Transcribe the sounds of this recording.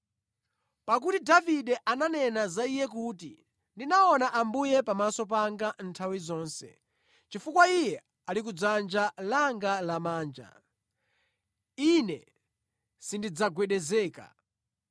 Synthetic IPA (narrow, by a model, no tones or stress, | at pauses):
pak̬utidaviɗɛʔananɛnazaijɛkuːti | ndinaɔnaʔambujɛpamasɔp̬aŋɡan̩tʰawizɔːnsɛ̰ | t͡ʃifukwaijɛ | alik̬ud͡zand͡ʒalaŋɡalamaːnd͡ʒa̰ | inɛ | sindid͡zaɡwɛɗɛzɛːka̰